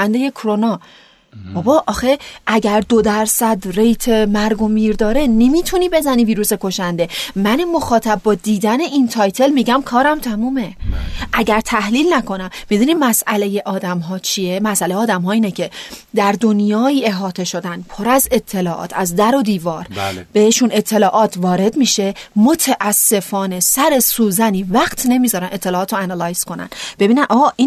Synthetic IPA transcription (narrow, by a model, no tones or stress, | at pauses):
ænd̪e̞je̞kʰoɾo̞nɒː | b̥ɒbɒːʔɒːxe̞ʔæɟæɾd̪od̪æɾsæd̪re̞jt̪ʰemæɾɡo̞miːɾd̪ɒːɾe̞ne̞miːt̪ʰuniːbe̞zæniːviːɾuːse̞kʰo̞ʃænd̪e̞mænemo̞xɒːt̪ʰæb̚bɒːd̪iːd̪æne̞ʔint̪ʰɒːjt̪ʰe̞lmiɟæmkʰɒːɾæmt̪ʰæmuːme̞ʔæɟæɾt̪ʰæhliːlnækʰo̞næmmid̪unid̪mæsʔæle̞je̞ʔɒːd̪æmɦɒːt͡ʃʰiemæsæle̞jeɒːd̪æmɦɒːiːnecʰe̞d̪æɾd̪o̞njɒːiːe̞ɦɒːt̪ʰe̞ʃo̞d̪ænpʰo̞ɾæze̞t̪ʰːe̞lɒːʔɒ̰ːt̪ʰæzd̪æɾod̪iːvɒːɾb̥e̞heʃune̞t̪ʰːe̞lɒːʔɒːt̪ʰvɒːɾe̞d̪miːʃe̞mot̪ʰæʔæsːe̞fɒːne̞sæɾe̞suːzæniːvæɢt̪ʰne̞miːzɒːɾænʔe̞t̪ʰːe̞lɒːt̪ʰoænɑlɒjz̥ko̞næ̰nb̥e̞biːnænʔɒːɣʔin